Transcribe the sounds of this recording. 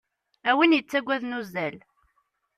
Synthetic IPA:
æwinjət͡sːæɡʷːæðnuzæl

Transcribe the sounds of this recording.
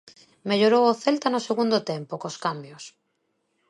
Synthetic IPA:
meʎoɾowoθelt̪anʊseɣund̪ʊt̪empokoskambjos

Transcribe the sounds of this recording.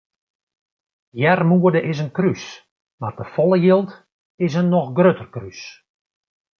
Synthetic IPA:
jɛrmuədəʔɪsənkrys | mardəfɔlˠəjilˠt | ɪs̬ənːɔxɡrøtərkrys

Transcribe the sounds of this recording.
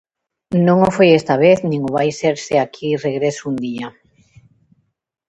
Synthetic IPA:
nõŋofojest̪aβ̞eθnĩŋʊβajseɾseakʰireɣɾesʊund̪ia

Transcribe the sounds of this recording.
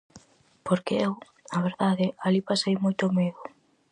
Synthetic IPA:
poɾkeew | aβ̞eɾðaðɪalipasejmojt̪ʊmeðʊ

